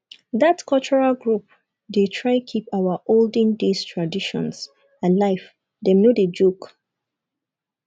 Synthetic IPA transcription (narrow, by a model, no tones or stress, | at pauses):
ðatkʰɔlt͡ʃɔɹalɡɹup̚ | detʰɹaɪkʰipaʊwaʔold̃ndestʰɹadiʃɔ̰̃ns | alaɪf | dɛmnoded͡ʒuk